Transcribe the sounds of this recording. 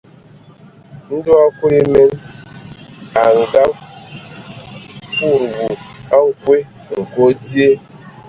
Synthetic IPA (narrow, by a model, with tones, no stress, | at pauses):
n̩˦do˦a˦ko˦i˦me˦n | a˨ŋ̩˨ɡa˦v | fu˦˨ɾwu˨a˦ŋ̩˨kwe˦ | ŋ̩˨ko˦dje˦